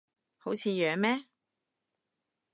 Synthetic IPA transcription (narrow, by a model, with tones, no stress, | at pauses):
ho˨˥wt͡sʰiː˧jœː˨˧mɛː˥